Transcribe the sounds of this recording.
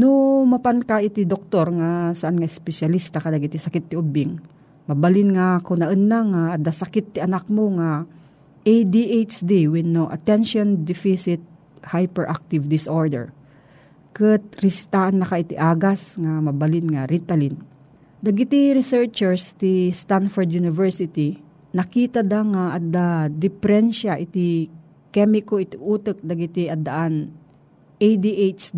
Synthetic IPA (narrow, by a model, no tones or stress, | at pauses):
nomɐpankaʔit̪id̪ok̚t̪oɾŋasaʔanŋaɪspɛsalist̪akad̪aɡit̪ɪsɐkɪt̪ːɪʔʊbɪŋ | mɐbalɪnŋakʊnɐʔənːaŋaːd̪asakɪt̪ːɪɐnak̚moŋa | ʔejd̪iʔet͡ʃd̪iwɪnːoʔɐ̰t̪ɛnʃond̪ɪfisɪt̪̚ | hajpɛɹʔak̚t̪ɪvd̪ɪsʔoɹd̪ɛ̰ɹ | kɨt̪̚ɾɪst̪aʔɐnːɐkaʔɪt̪ɪʔaːɡasŋamɐbɐlɪnŋaɾit̪ɐlin | d̪ɐɡɪt̪iɾɪsɛɹt͡ʃɛɹst̪ist̪anfɔɹd̪junɪvɛɹsɪt̪i | nɐkiːt̪ad̪aŋaʔɐd̪ad̪ɪpɛɾɛnʃaʔɪt̪i | kɛmɪkoɪt̪iʔuːt̪ɨk̚d̪ɐɡɪt̪iʔɐd̪ɐʔan | ʔejd̪iʔejt͡ʃd